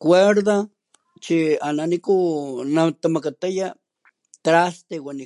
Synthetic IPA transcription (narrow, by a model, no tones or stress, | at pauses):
kweɾða | t͡ʃiananikunat̪amakat̪aja | t̪ɾast̪ewani